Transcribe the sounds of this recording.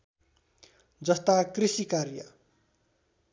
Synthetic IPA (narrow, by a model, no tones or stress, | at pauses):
d͡zʌst̪akrisikarjʌ̰